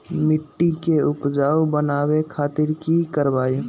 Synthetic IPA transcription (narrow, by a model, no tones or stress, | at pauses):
mɪʈːikeʊpd͡ʒaːwbənaːwekʰaːt̪ɪɾkikəɾbaːi